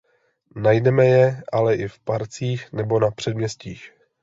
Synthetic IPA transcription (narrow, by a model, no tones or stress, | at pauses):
najdɛmɛjɛʔalɛʔɪfpaɾt͡siːxnɛbo̞napr̥ɛdmɲɛsciːx